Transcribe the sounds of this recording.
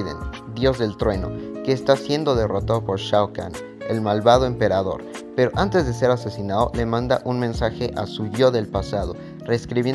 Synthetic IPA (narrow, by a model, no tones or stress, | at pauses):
ðḛn | d̪jo̞zðe̞lt̪ɾwe̞no̞̰ke̞ːst̪asje̞nd̪o̞ðe̞ro̞t̪aðopo̞ɾʃawka̰n | ḛlmalβað̞o̞empe̞ɾaðo̞̰ɾ | pe̞ɾo̞ʔant̪e̞zðe̞se̞ɾase̞sinaðo̰le̞mãnd̪a̰ʔunmẽ̞nsaxe̞ʔasuʝo̞ðe̞lpasað̞o̞̰ | re̞skɾiβje